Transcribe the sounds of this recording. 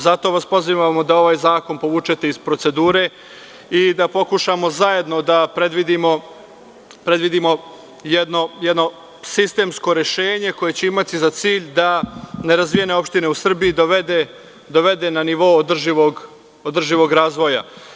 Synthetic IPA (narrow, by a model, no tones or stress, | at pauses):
zat̪o̞ʋaspo̞ziʋamod̪ao̞ʋaːjzaːko̞npo̞ʋuːt͡ʃe̞t̪e̞izpɾo̞t̪se̞d̪uːɾe̞ | id̪apo̞kuʃamo̞zaje̞d̪no̞d̪apɾe̞d̪ʋid̪imo̞ | pɾe̞d̪ʋid̪imo̞ | jed̪no̞jɛd̪no̞ | sist̪e̞ːmsko̞ɾe̞ʃe̞ːɲe̞ko̞je̞t͡ɕeimat̪izat̪siːʎd̪ane̞ɾazʋijene̞o̞pʃt̪ine̞usr̩biid̪oʋed̪e | d̪o̞ʋe̞d̪e̞naniʋo̞od̪r̩ʒiʋoɡ | od̪r̩ʒiʋo̞ɡɾaːzʋo̞ja̰